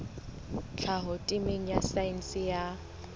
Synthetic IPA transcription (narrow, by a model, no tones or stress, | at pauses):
t͡ɬʰaɦʊtʼɪmeŋ̩jasain̩sɪja